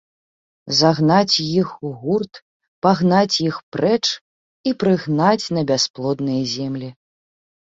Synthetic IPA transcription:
zaɣnat͡sʲjixuɣurt̪ | paɣnat͡sʲjixpɾɛt͡ʂ | ipɾɨɣnat͡sʲnɐbʲasplˠɔd̪nɐjɐzʲɛmlʲi

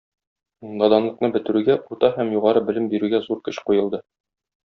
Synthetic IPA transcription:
d̪ɒd̪ɑnlˠɤ̆qnɤbɘ̆t̪ɘ̆ɾʉɡæʔuɾt̪ɑɦæmjuʁɑɾɤbɘ̆lɘmbiɾʉɡæzuɾkɘ̆ɕqujɤ̆lˠd̪ɤ

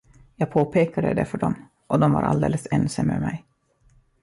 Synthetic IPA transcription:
jɑːɡ̚pʰoːpʰeːkad̪əd̪ɛfœɖɔm | ʔɔd̪ɔmva̰ɾʔa̰ld̪eːləsɛnsamːœɾmɛj

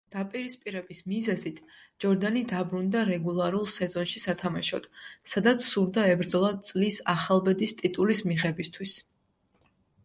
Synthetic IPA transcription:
d̪̥apʼiɾispʼiɾɛbismizɛzit̪ʰ | d͡ʒɔɾd̪anid̪abɾund̪aɾɛɡulˠaɾulˠsɛzɔnʃisat̪ʰamaʃɔ̰d̪̥sad̪at̪sʰsuɾd̪aɛbɾd̪zɔlˠad̪̚t̪sʼlisaχalˠbɛd̪ist̪ʼit̪ʼulismiʁɛbist̪ʰwis

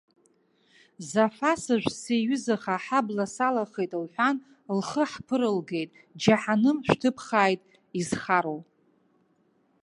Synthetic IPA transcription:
zafasɨʒᶣʷseːɥʏzaχaħablasalaχejtʼlħʷan | lχəħpʰɨɾɨlɡe̞jtʼ | d͡ʒaħanɨmʃʷᶣtʰɨpʰχaːjtʼ | izχaɾow

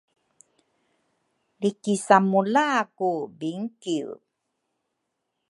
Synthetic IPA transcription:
likisamulaːkubiŋkiw

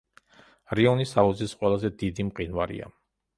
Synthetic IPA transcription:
ɾiɔnisaluzisqʼwɛlˠazɛd̪id̪imqʼinvaɾḭa̰

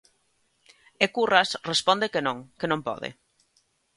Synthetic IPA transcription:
ekurasrespɔnd̪ekenõŋkenõmpɔ̰ðḛ

